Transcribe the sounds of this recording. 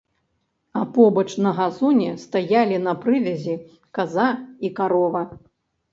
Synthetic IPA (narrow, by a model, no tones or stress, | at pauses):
ɐpɔbɐt͡ʂnɐɣazunʲɛst̪ajalʲinɐpɾɨvʲɐzʲi | kazaikaɾɔvɐ